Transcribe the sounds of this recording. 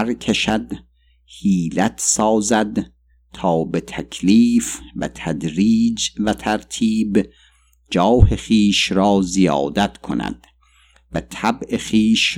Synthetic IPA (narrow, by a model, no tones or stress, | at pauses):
ɾkʰeʃæd̪ | hiːlæt̪ʰsɒːzæd̪ | t̪ʰɒːbet̪ʰækʰliːfvæ̰t̪ʰæd̪ɾiːd͡ʒvæt̪ʰæɾt̪ʰiːb | d͡ʒɒːheχiːʃɾɒːzijɒ̰ːd̪æt̪kʰonæ̰d̪̥ | væt̪ʰæbeχiːʃ